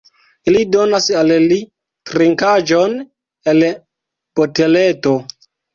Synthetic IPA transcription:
ilido̞nasalli | tɾiŋkad͡ʒo̞n | el | pote̞le̞to̞

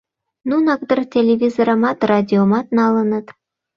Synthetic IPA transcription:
nunɑk̚d̪ərtʲelʲevʲizoɾə̆mɑt̪rad̪ʲiomɑt̪nɑlənə̆t̪

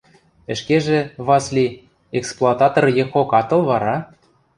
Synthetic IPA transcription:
ə̆ʃkeʒĕβɑslʲi | eksplˠoɑt̪ɑt̪orjexokɑt̪ɤ̆lβɑɾɑ

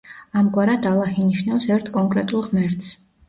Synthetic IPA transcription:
amɡʼwaɾad̪alˠaχiniʃnafsɛɾt̪ʰkʼɔŋkʼɾɛt̪ʼulˠʁmɛɾt̪ʰs

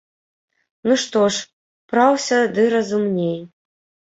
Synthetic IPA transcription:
nuʂt̪ɔʂ | pɾawsʲɐd̪ɨɾɐzumnʲej

